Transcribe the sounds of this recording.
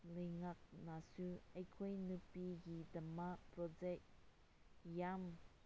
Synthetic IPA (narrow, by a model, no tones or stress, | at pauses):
lɛjŋak̚nasuajkʰɔjnupiɡidamapɾɔzɛk | jam